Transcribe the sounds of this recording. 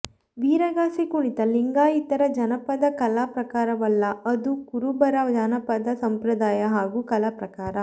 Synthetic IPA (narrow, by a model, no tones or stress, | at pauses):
ʋiːɾɐɡaːsikuɳit̪ɐliŋɡaːit̪ɐɾɐd͡ʒɐnɐpɐd̪ɐkɐlaːpɾɐkaːɾɐʋɐlːɐɐd̪ukuɾubɐɾɐd͡ʒanɐpɐd̪ɐsɐmpɾɐd̪aːjɐɦaːɡukɐlapɾɐkaːɾɐ